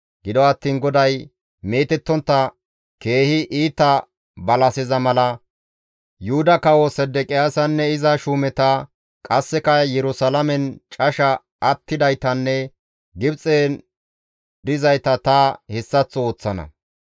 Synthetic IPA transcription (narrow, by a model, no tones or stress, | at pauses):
ɡɪd̪ɔɐt̪ːiːnɡɔd̪ɐj | me̞ːt̪ɛt̪ːɔnt̪ːɐ | ke̞ːhɪʔiːt̪ːɐ | bɐlɐsɪzɐmɐlɐ | jʊhʊd̪ɐkɐwɔsɛd̪ːɛkʼɪjaːsɐnːɛɪzɐʃuːmɛt̪ɐ | kʼɐsːɛkɐjɛɾʊsɐlɐmɛnt͡ʃʼɐʃɐ | ʔːt̪ːɪd̪ɐjt̪ɐnːɛ | ɡɪbt͡sʼeːn | d̪ɪzɐjt̪ɐt̪ɐhɛsːɐt͡sːɔoːt͡sːɐnɐ̰